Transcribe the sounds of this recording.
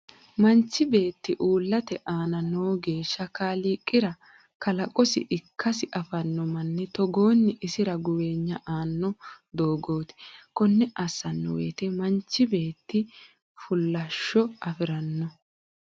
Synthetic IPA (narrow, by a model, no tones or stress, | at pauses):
mɐnt͡ʃːɪbe̞ːt̪ːɪʔuːlːɐt̪ɛʔaːnɐnoːɡe̞ːʃːɐkaːliːkʼːɪɾɐ | kɐlɐkʼɔsɪ̰ʔɪkʰːɐsɪʔɐfɐnːɔmɐnːɛt̪ɔɡo̞ːnːɪʔɪsɪɾɐɡʊweːɲːɐʔaːnːɔd̪o̞ːɡo̞ːt̪ɪ̥kɔnːɛʔɐsːɐnːɔ̰wḛːt̪ɛmɐnt͡ʃːɪbe̞ːt̪ːɪ | fʊlːɐʃːɔɐfɪɾɐnːɔ